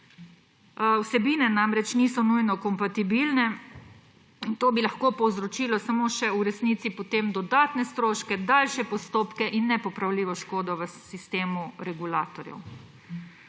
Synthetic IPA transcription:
wsɛbiːnɛnamɾɛt͡ʃniːsɔnujnɔkɔmpat̪ibilnɛ | int̪oːbilaxkoːpɔwzɾɔt͡ʃiːlɔsamoʃɛuɾɛsniːt̪sipɔt̪emd̪ɔd̪aːt̪nɛst̪ɾoːʃkɛd̪aːlʃɛpɔst̪oːpkɛʔinːɛpɔpɾawliːʋɔʃkoːd̪ɔʋəsist̪eːmuɾɛɡulaːt̪ɔɾjɛ̰w

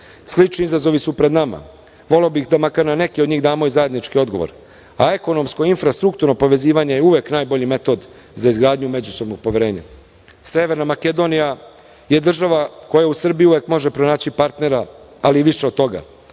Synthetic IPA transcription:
slit͡ʃniizazo̞ʋisupɾed̪nama̰ | ʋo̞le̞obixd̪amakaɾnane̞kiod̪ɲiːɣd̪aːmo̞izaje̞d̪nit͡ʃkio̞d̪ɡo̞ʋo̰ɾ | ae̞ko̞no̞mskoinfɾast̪ɾuk̚t̪uɾnopo̞ʋe̞ziːʋaɲe̞jeuʋe̞knaːjbo̞ʎime̞t̪o̞d̪ | zaizɡɾaːd̪ɲume̞d͡ʑuso̞bno̞ɡ̚po̞ʋeɾe̞ːɲa̰ | seʋe̞ɾnamaked̪o̞nija | je̞d̪r̩ʒaʋako̞jausr̩bijiuʋe̞kmo̞ʒe̞pɾo̞naːt͡ɕipaɾt̪ne̞ɾa | aliʋiʃeo̞d̪t̪o̞ɡa̰

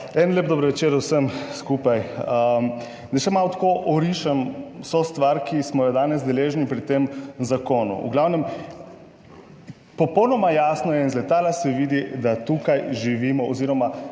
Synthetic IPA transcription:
ɛnleːp̚bd̪obɾʋɛt͡ʃeːɾwsəmskupajə | nɛʃɛmaːlɔt̪koʔɔɾiʃamsost̪ʋaɾkismɔjɔd̪aːnɛzd̪ɛleːʒnipɾit̪emzakoːnṵṵɡlawnɛm | pɔpɔwnɔmajasnɔjɛinzlɛt̪aːlasɛʋiːd̪id̪at̪ukajʒiʋiːmɔoziːɾɔma

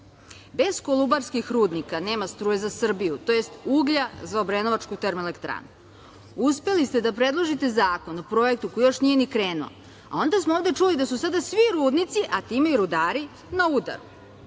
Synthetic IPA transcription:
be̞zko̞lˠubaɾskixɾuːd̪nikane̞ːmast̪ɾuːjezasr̩bijut̪o̞jest̪uɡʎazaobɾeno̞ʋat͡ʃkut̪eɾmelekt̪ɾa̰ːnu | uspe̞list̪e̞d̪apɾe̞d̪lˠoʒit̪e̞zaːko̞nopɾo̞je̞kt̪uko̞jjo̞ʃnije̞nikɾeːnuo̰ | a̰o̞nd̪asmooːvd̪e̞t͡ʂulid̪asusad̪asʋiɾuːd̪nit̪siʔat̪iːmeiɾud̪aːɾi | naud̪a̰ɾu

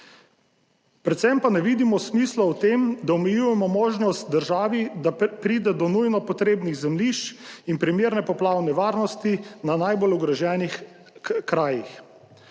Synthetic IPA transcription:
pɾɛt̪sɛmpanɛʋiːd̪imɔsmislɔwt̪eːmd̪aɔmɛjuːjɛmɔmoːʒnɔst̪̚d̪əɾʒaːʋid̪apɾiːd̪ɛd̪ɔnujnɔpɔt̪ɾeːbniɣzɛmliʃt͡ʃinpɾimjeːɾnɛpɔplaːwnɛʋaːɾnɔst̪inanajbolɔɡɾɛʒjɛːnix | kɾaːjix

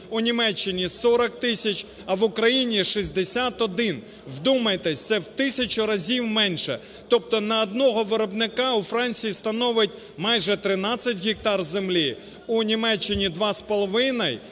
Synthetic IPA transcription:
unʲimɛt͡ʃːɪnʲisɔɾɐkt̪ɪsʲɐt͡ʃ | ɐʋʊkɾɐjinʲiʃizʲd̪esʲat̪ɔd̪ɪn | wd̪umɐjt̪ɛsʲt̪sɛwt̪ɪsʲɐt͡ʃʊɾɐzʲiwmɛnʲʃɛ̰ | t̪ɔp̚t̪ɔnɐːd̪nɔɦɔʋɪɾɔbnɪkɑufɾɑnʲt͡sʲijist̪ɐnɔʋɪtʲ | mɑjʒɛt̪ɾɪnɑt͡sʲːɐtʲɦʲɪk̚t̪ɑrzemlʲi | unʲimɛt͡ʃːɪnʲid̪ʋɑspɔlˠɔʋɪnɐj

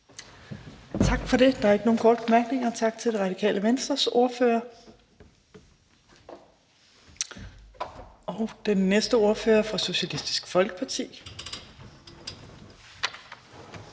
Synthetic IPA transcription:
t͡sʰɑ̈ɡ̥fɒ̽ɾe̝d̥ɑ̈æɐeɡ̥əno̝ːn̩kʰɒ̰ːd̥əb̥emæɐɡ̥ne̝ŋɐt͡sʰɑ̈ɡ̥t͡sʰe̝ld̥e̝ʁɑ̈d̥ikʰɛ̰ːləʋensd̥ʁɐso̝ɐføːɐ | ɒʊd̥enːesd̥əo̝ɐføːɐfʁɒso̝ɕælisd̥i̥sɡ̥fɒ̽lɡ̥əpʰɑ̈t͡sʰḭː

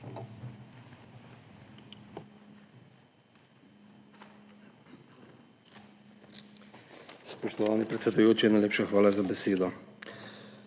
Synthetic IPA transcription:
spɔʃt̪ɔʋaːnipɾɛt̪sɛd̪ujoːt͡ʃinajleːpʃaxʋaːlazabɛseːd̪ɔ

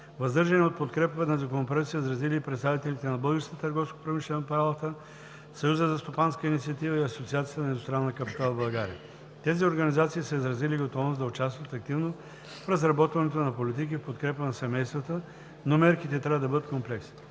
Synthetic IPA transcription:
vɐzd̪ɤɾʒɐnɛot̪̚pot̪kɾɛpəvɛnɐzɐkonop̬ɾait̪səizɾɐziliːpɾɛt̪st̪avit̪ɛlit̪ɛnɐbɤlˠɡəɾsk̪ət̪əɾɡɔfsko̥pɾomiʃlɛnopɐɾalˠət̪ə | sɐjuzəzɐst̪opanskəinit̪siɐt̪ivəiɐsot̪siat̪siət̪ənɐɛd̪ʊst̪ɾanːəkɐpit̪alˠbɐlˠɡaɾḭə̰ | t̪ɛzioɾɡɐnizat̪siːsəizɾɐziliɡot̪ɔvnosd̪ɐʊt͡ʃast̪vɐt̪ɐk̚t̪ivno | fɾɐzɾɐbɔt̪vɐnɛt̪onɐpolit̪̬ik̬ifpot̪kɾɛpənɐsɛmɛjst̪vət̪ə | nomɛɾkit̪ɛt̪ɾʲavəd̪ɐbəd̪ət̪komplɛks

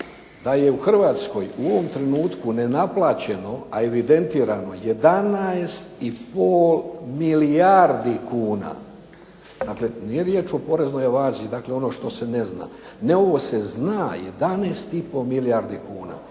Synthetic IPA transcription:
d̪aje̞uxr̩ʋaːt̪sko̞juo̞ʋo̞mt̪ɾe̞nuːt̪kune̞naplˠaːt͡ɕe̞no̞ae̞ʋid̪e̞nt̪iːɾano̞je̞d̪anaest̪ipoːlmiliaɾd̪ikuːna̰ | d̪aːkle̞nijeɾjeːt͡ʃo̞po̞ɾe̞zno̞jaʋaːziid̪aːkle̞o̞no̞ʃt̪o̞se̞ne̞zna̰ː | ne̞o̞ʋo̞se̞znaje̞̰d̪aneːst̪ipo̞milijaɾd̪ikuːna̰

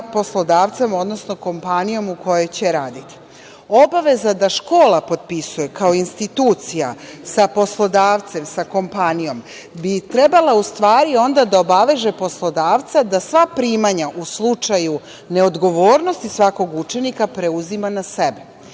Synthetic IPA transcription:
po̞slo̞d̪aːʋt̪semo̞d̪nosno̞ko̞mpanijo̞muko̞je̞jt͡ɕeɾaːd̪it̪i̥ | obaʋe̞zad̪aʃko̞ːlˠapo̞d̪̚pisuje̞kao̞inst̪it̪uːt̪sijasapo̞slˠo̞d̪aːʋt̪se̞msako̞mpanijo̞m | bit̪ɾe̞balaust̪ʋaːɾio̞nd̪ad̪ao̞baʋe̞ʒe̞po̞slo̞d̪aːʋt̪sad̪asʋapɾimaɲaʔuslˠut͡ʃaju | ne̞o̞d̪ɡo̞ʋo̞ːɾno̞st̪isʋako̞ɡut͡ʃe̞nikapɾe̞uzimanasebe

